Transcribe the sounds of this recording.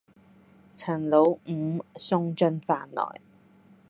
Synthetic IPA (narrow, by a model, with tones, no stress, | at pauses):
t͡sʰɐ˨˩nlo˨˧w̩˨˧˦sʊ˥ŋt͡ʃɵ˥nfaː˧nlɔ̰ː˨˩j